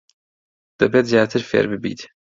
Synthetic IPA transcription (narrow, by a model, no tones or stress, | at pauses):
d̪̥ɐbeːt̪zjaːt̪ʰɨɾfḛːɾbɨbḭːt̪